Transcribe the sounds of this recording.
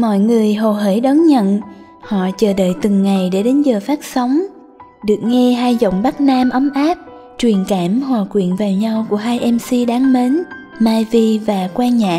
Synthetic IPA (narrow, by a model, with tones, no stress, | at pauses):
mɔ̰˧˨jŋɨ˨˩əjɦo˨˩ɦəː˧˩jɗɔ˨˦nɲə̰˧˨n | hɔ̰˧˨t͡ɕəː˨˩ɗə̰ː˧˨jt̪ɨ˨˩ŋːa˨˩jɗe˧˩ɗe˨˦nzəː˨˩faː˦˥k̚sə˨˦wŋ͡m | ɗɨ˨˩ək̚ŋɛ˧ɦaː˧jzo̰˧˨wŋ͡mɓa˦˥t̚naː˧mʔə˨˦wmʔaː˦˥p̚ | t͡ɕwi˨˩ənkaː˧˩mhwaː˨˩kwḭ˧˨ənvaː˨˩wɲa˧wku˧˩əɦaː˧jʔɛ˧msi˧ɗaː˨˦ŋme˨˦n | maː˧jvi˧vaː˨˩kwaː˧ɲa̰ː˧˨